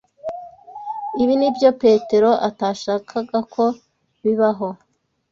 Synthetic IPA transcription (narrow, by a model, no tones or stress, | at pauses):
iβinibjo̞pe̞ːte̞ɾo̞ʔataːʃaːkʰaɡakʰo̞ | βiβaɦo̞